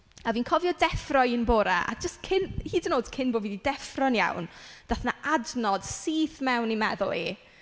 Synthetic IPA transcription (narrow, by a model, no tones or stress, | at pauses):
aviːnkʰɔvjɔdɛfrɔjɪnboːɾaʔa̰d͡ʒəstkʰɪnhiːdənoːd̥kʰɪnboːviːdidɛfrɔnja̰wnd̥aθnaʔadnɔd̥siːθmɛwnimɛðʊ̰lˠi